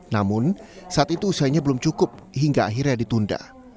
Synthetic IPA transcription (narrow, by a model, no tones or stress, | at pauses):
namʊnsaat̪it̪uːsaɲabəlʊmt͡ʃukʊp̚ɦiŋɡaaɦɪrɲadit̪unda̰